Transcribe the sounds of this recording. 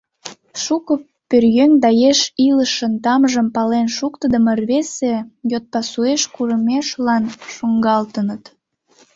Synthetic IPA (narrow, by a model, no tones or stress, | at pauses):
ʃukə | pørjøŋd̪ɑjeʃiləʃənt̪ɑmʒəmpɑlenʃukt̪əd̪əmərβesejot̪̚pɑsueʃkuɾəmeʃlɑnʃoŋɡɑlt̪ənət̪